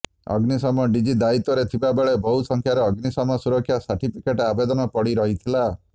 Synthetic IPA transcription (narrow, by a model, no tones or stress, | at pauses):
ɔ̰ɡnisɔmɔɖid͡ʒid̪ait̪ɔɾet̪ʰibabeɭebɔɦusɔŋkʰjaɾɔːɡnisɔmɔsuɾɔkʰːjasaɾʈipʰikeʈabed̪ɔnɔpɔɽiɾɔɦit̪ʰila